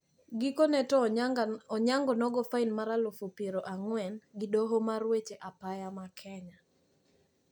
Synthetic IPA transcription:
ɡɪkonɛtɔ | ɔɲaŋɡɔnɔɡɔfainmaɾalofopeɾoʔaŋwɛnɡɪdɔɦomarwet͡ʃeʔapajamakʰɛɲa

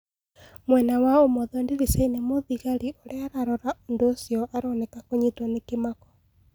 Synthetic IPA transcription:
mwɛnawaomɔðɔndeɾisainemoðiɣaɾiʔoɾeaɾaɾɔɾaondoːsjɔʔaɾɔnɛkakoɲitwanekemakɔ̥

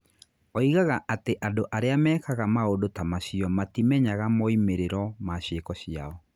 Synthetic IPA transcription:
ɔiɣaɣaʔateʔandoʔaɾeamɛːkaɣamaodotamaɕiɔmatimɛɲaɣamɔimeɾeɾɔmaɕekɔɕiaɔ

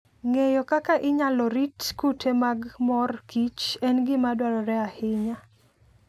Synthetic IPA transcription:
ŋejɔkakaʔɪɲalɔɾitkutʰemaɡmɔrkit͡ʃɛnɡɪmadwaɾɔɾɛahɪɲa

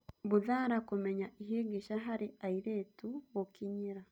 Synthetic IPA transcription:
βuðaːɾakumeɲaiɦeɡiʃaɦaɾiaiɾeːtuwokiɲiɾa

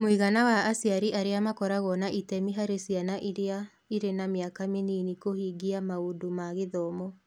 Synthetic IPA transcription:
moiɣanawaːsiaɾiʔaɾeamakɔɾaɣɔnaʔitɛmiɦaɾesianaʔiɾea | iɾenameakameniːnikohiɡiamaodomaɣeðɔmɔ

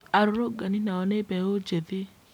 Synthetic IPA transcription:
aɾɾoɡaninaɔnepɛod͡ʒeði

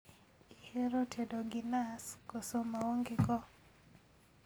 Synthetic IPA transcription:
iheɾotʰedoɡinaskɔsomaoŋɡekɔ

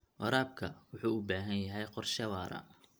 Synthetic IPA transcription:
ʔɐɾaːb̚kʰɐwʊħuːʊbaːɦɐnjɐɦɛjqɔrʃɐwɑːɾɐ̰

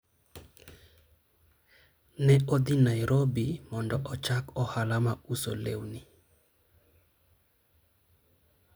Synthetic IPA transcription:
nɛod̪inajɾobimɔndɔʔɔt͡ʃakɔhalamauso̰lḛwni

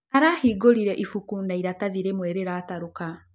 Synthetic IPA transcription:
aɾaːhiːɡoɾiɾɛʔifukunaiɾataðiɾemwɛɾeɾaːtaɾoka

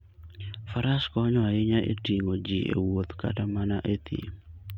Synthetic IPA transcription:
faɾaskɔɲɔaɪɲaʔḛtiŋod͡ʒiʔḛwot̪ka̰tamanaʔet̪ḭ

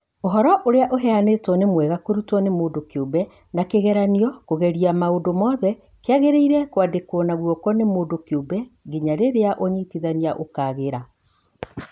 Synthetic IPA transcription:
oɦɔɾɔʔoɾeaʔoɦɛanetɔnemwɛɣakoɾutɔnemoːdokeobɛ | nakeɣɛɾaniɔkoɣɛɾiamaodomɔðɛ | keaɣeɾeiɾɛkwadekɔnaɣuɔkɔnemoːdokeobɛɡiɲaɾeɾeaʔoɲitiðaniaʔokaːɣeɾa

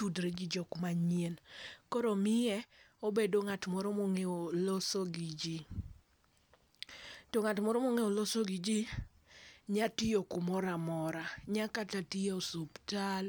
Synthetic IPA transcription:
udɾed͡ʒid͡ʒɔkmaɲienkɔɾomɪɛobedoŋatmɔɾɔmoŋeolɔsoɡid͡ʒi | tɔŋatmɔɾɔmoŋeolɔsoɡid͡ʒi | ɲatijokumɔɾamɔɾaɲakatatiaosuptal

